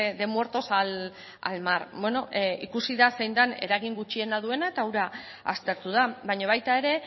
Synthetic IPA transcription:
ðe̞mue̞ɾt̪o̞sal | a̰lmarbwe̞no̞ʔikusiðase̞jnd̪ane̞̰ɾaɣiŋɡut͡ʃie̞naðue̞nae̞t̪awɾa | a̰st̪e̞ɾt̪uðabajɲoβ̞ajt̪ae̞ɾe̞

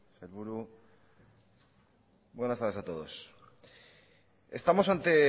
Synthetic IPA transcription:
selβuɾu | bwe̞nast̪aɾðesat̪o̞ð̞o̞s | e̞̰st̪amo̞sant̪e̞

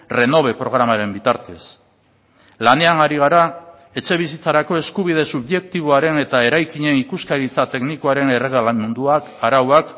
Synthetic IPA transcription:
re̞no̞β̞e̞pɾo̞ɣ̞ɾamaɾe̞mbit̪aɾt̪e̞s | lane̞anaɾiɣ̞aɾa | e̞t͡ʃe̞β̞isit͡saɾako̞e̞skuβ̞ið̞e̞suβʝe̞k̚t̪iβ̞oaɾe̞ne̞t̪ae̞ɾajkiɲe̞nikuskaɾit͡sat̪e̞ɡnikoaɾe̞ne̞re̞ɣalamund̪uakaɾawak

